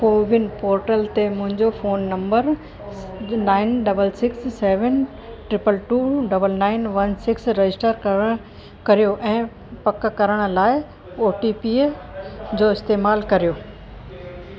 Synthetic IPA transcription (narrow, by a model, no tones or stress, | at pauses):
poːʋɪnpoːɾʈəlt̪emʊ̃ɦɪ̃ɲd͡ʑofoːnːɐ̃mbəɾ | naːɪnɖɐbəlsɪksːeːʋən | ʈɾɪpəlʈuːɖɐbəlnaːɪnʋɐnsɪksɾɐd͡ʑɪsʈəɾ | kɐɾijoʔɛ̃ː | pɐkkɐɾəɽ̃ə̆laːɪ | oːʈipiː | d͡ʑoːɪst̪eːmaːlkɐɾijoː